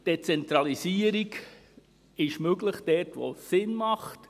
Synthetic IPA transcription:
d̥ɛt͡sɛnt̪ɾɑlisiəɾiɡ | ɪʃmøɡləχd̥ɛrtʋo̰sɪnmɑχt

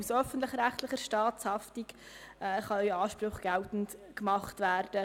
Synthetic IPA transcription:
usœfən̩tlɪχɾæχtlɪχəɾʃtɑːtshɑftik | ɛːχɑœɑːʃpɾʊχɡ̥ɛltn̩tkmɑχtʋæːrd̥ə

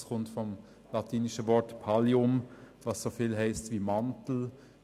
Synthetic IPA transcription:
sχʊntfɔm | lɑtʰiːniʃəvɔɾtpʰɑliʊmvɑːsːofiːlɦɛɪstviːmantl̩

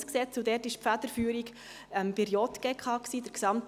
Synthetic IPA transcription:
sksɛt͡sʊdɛtɪʃpfæd̥̪əɾfyːɾik | ɛmb̥ɪɾjɔt̪ɡ̥ekʰɑːksiːd̥əɾksɑmt

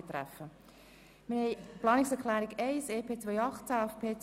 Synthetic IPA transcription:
et̪ɾæ̰fːə | mɪhɛɪplɑːnɪksɛklæːɾiɡɛɪseːpʰeːt͡svœjɑχt͡sæafpʰeːt͡s

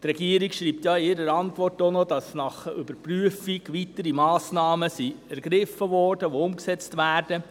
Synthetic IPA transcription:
trɛɡiəɾikʃɾiːpt̪jɑɪɾəɾɑntʋɔrtonodɑsnɑχʏbəɾpryəfiɡʋitəɾimɑːsnɑːməsiæɾɡ̥ɾɪfːəʋɔːrd̥əʋoʊmksɛt͡stʋæːrd̥ə

